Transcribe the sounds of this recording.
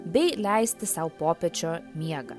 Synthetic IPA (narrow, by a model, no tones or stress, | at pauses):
bʲɛɪlʲæˑɪsʲt̪ʲɪsɐʊpoːpʲɛt͡ʃʲoːmʲiɛɡɐ